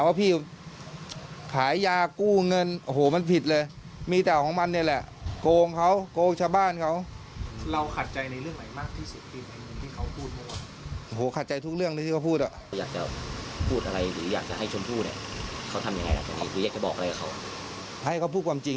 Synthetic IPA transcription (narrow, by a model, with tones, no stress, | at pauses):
a˨˩waː˥˩pʰiː˥˩ | kʰaː˩˦jːaː˧kuː˥˩ŋɤ˧nʔo˧ɦoː˨˩˦ma˧˥˨npʰi˨˩t̪̚lɤː˧j | miː˧t̪ɛː˨˩wkʰɔː˨˦ŋma˧nːi˧˥˩lɛ˨˩ʔkoː˧ŋkʰa˦˥˩wkoː˧ŋt͡ɕʰa˧wbaː˥˩nkʰa˦˥˩w | ɾa˧wkʰa˨˩t̪̚t͡ɕa˧jna˧jlɯ˥˩əŋma˨˩jmaː˥˩k̚t̪ʰiː˥˩su˨˩t̪̚pʰiː˧˩ʔa˧jŋɯ˧ŋt̪ʰiː˥˩kʰa˧˥˩wpʰuː˥˩t̪̚pʰɔ˧˩waː˧˩ | ʔo˧˩ɦoː˩˦kʰa˨˩t̪̚t͡ɕa˧jt̪ʰu˦˥k̚lɯ˥˩ŋ˧t̪ʰiː˥˩ka˧wpʰuː˥˩t̪̚la˨˩˧wjaː˨˩k̚t͡ɕa̰˨˩pʰuː˥˩t̪̚ʔa˧ɾa˧jɾɯː˩˦jaː˨˩k̚t͡ɕa˨˩ʔha˥˩jt͡ɕʰo˧mpʰuː˥˩t̪nḭ˥˩kʰa˧˩wt̪ʰa˧mja˧ŋa˧jla̰˨˦˩t͡ɕaː˨˩niː˦˥˩ɾɯː˨˦aː˨˩k̚t͡ɕa˨˩bɔː˨k̚ʔa˧ɾa˧kʰa˨˩kʰa˧˥˩w | hʰa˧˩jkʰa˧˩pʰuː˥˩t̚kʰaː˧mt͡ɕi˧ŋ